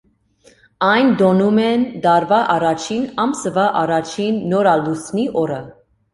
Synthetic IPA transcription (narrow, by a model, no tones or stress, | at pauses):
ɑjnd̪ɔnumɛnd̪ɑɾvɑʔɑrɑt͡ʃʰinɑmsəvɑʔɑrɑt͡ʃʰinːɔɾɑlusniʔɔɾə